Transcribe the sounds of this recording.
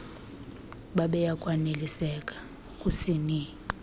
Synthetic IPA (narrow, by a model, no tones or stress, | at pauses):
ɓaɓɛjakʼwanelisɛkʼḁ | kʼusini